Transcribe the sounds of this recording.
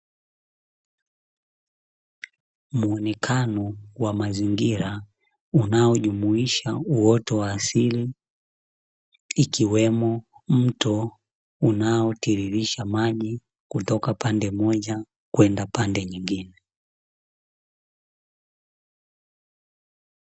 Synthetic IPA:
muɔnɛkʰanɔwamaziŋɡiɾa | unaɔʄumuiʃauɔtɔwaːsili | kiwɛmɔm̩tɔ | unaɔtiɾiɾiʃamaʄi | kutɔkapandɛmɔʄa | kwɛndapandɛɲiŋɡinɛ

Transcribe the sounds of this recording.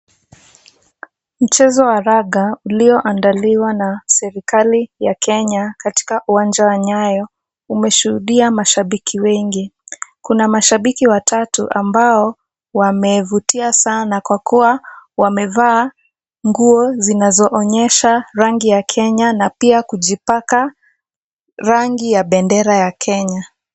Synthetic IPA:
m̩t͡ʃɛzɔwaɾaɠauliɔʔandaliwanasɛɾikalijakʰɛɲakati̥kaʔuwand͡ʒawaɲajɔ | umɛʃuhuɗiamaʃaɓikʰiwɛŋɡikunamaʃaɓikiwatʰatuʔambaɔ | wamɛvutiasanakwakuwawamɛvaː | ŋɡuɔzinazɔʔɔɲɛʃaɾaŋɡijakʰɛɲanapiakuʄipaka | ɾaŋɡijaɓɛndɛɾajakʰɛɲa

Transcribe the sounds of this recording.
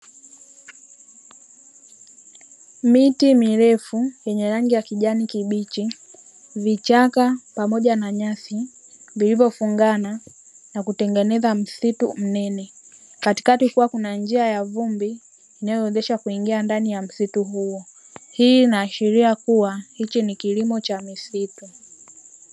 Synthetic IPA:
mitimiɾɛfujɛɲɛɾaŋɡijakiʄanikiɓit͡ʃi | vit͡ʃakapamɔʄanaɲaθi | vilivɔfuŋɡana | nakutɛŋɡɛnɛzam̩situm̩nɛnɛ | kati̥katikuwakunand͡ʒiajavumbiː | najɔwɛzɛʃakuiŋɡiandanijam̩situɦuɔ | hiːnaːʃiɾiakuwahit͡ʃinikilimɔt͡ʃamisitu

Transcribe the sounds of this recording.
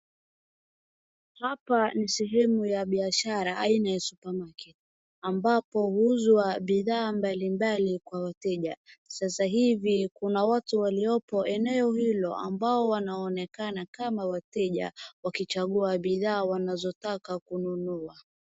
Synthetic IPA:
hapanisɛɦɛmujaɓiaʃaɾaainajasupamakɛti | ambapɔhuzwaɓiðaːmbalimbalikwawatɛʄasasaɦivikunawatuwaliɔpɔʔɛnɛɔhilɔʔa̰mbaɔwanaɔnɛkanakamawatɛʄa̰wakit͡ʃaɠuaɓiðaːwanazɔtakakununua

